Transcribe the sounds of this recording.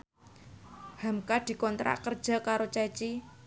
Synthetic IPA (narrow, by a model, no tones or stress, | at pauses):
hamkad̪̥i̤kɔnt̪ɾa̰ʔkər̥ʒ̥a̤kaɾot͡ʃɛt͡ʃi